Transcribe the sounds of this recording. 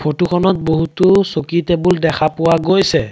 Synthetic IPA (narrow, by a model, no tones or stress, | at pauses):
pʰotukʰɔnɔt̚boɦutʊsokitebuldɛkʰapʊwaɡojsɛ